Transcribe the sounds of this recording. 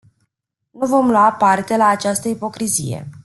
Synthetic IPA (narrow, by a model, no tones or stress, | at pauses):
nuvo̞mlwapart̪e̞laːt͡ʃast̪əipo̞kɾizije̞̰